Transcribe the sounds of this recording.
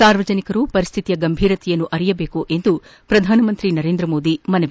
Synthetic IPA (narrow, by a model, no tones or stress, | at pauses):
saːɾʋɐd͡ʒɐnikɐɾupɐɾist̪ʰit̪ijɐɡɐmbʱiːɾɐt̪ʰɛjɐnːuʔɐɾijɐbeːkuʔe̞nd̪upɾɐd̪ʱaːnɐmɐnt̪ɾinɐɾe̞ːnd̪ɾɐmoːd̪imɐnɐʋ